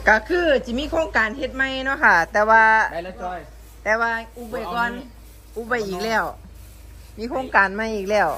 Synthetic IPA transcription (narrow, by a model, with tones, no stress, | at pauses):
ka˧˩kʰɯː˧˨si˧˨˦miː˧˥˨kʰoː˧˥ŋkaː˨˩nhe˧t̪̚ma˧˥˨jnɔ˧˥˨kʰa˧˩t̪ɛː˧waː˧ | t̪ɛː˧waː˧ʔuː˧˩pa˧˩kɔː˧˥˨n | ʔuː˧˩pa˧˩jʔiː˨˩k̚lɛː˧˩w | miː˧˥˨kʰoː˧˥˨ŋkaː˨˩nma˧˥˨jʔiː˨˩k̚lɛː˧˩w